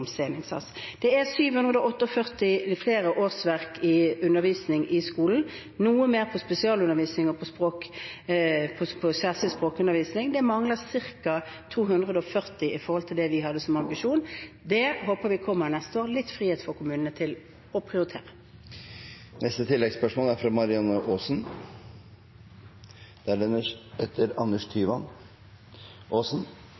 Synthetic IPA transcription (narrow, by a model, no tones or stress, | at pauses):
mseːnɪŋsɑ̰sd̪̥ɛæsyːʋhʉnʁəd̪əɔɔt̪ːəɔfœʁt̪ɪfleːɾəʔoːʁsʋæʁkɪʉnːəɾʋiːsnɪŋʔɪskuːln̩ | nuːəmeːʁpʰɔspɛsɪɑːlʉnəʁʋiːsnɪŋɔpʰɔspʁoːk | pʰɔpʰɔsæːʁsɪlspʁoːkʉnəɾʋiːsnɪŋd̪ɛmɑŋlɑsɪʁkɑt̪ʰuːɦʉnd̪ʁəd̪əɔfœʁt̪ɪɪfɔɾhɔlt̪ʰɪld̪ɛʋɪɦɑd̪ːəsɔmɑmbɪʂuːn | d̪ɛɦoːpəɾʋɪkʰɔmːəɾnɛst̪əoːʁlɪt̪ːfʁiːheːt̪fɔʁkʰʊmʉːnənət̪ʰɪl | ɔpʰʁɪʊɾɪt̪ʰḛːʁə | nɛst̪ət̪ʰɪlːɛɡspœʂmoːlæɾfɾɑmɑɾɪɑnːəʔoːsn | d̪̥ɛæɛəɛt̪ʰːəɾɑnːəʂt̪ʰyːʋɑn | ʔoːsn